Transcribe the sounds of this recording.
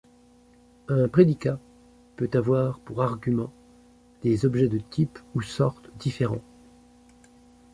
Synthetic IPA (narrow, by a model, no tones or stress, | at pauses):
ɛ̃pχed̪ika | pøt̪avwaʁpuʁaʁɡʲymɑ̃ | d̪̥ezɔbʒɛd̪ət̪ʰipusɔʁt̪d̪ifeʁɑ̃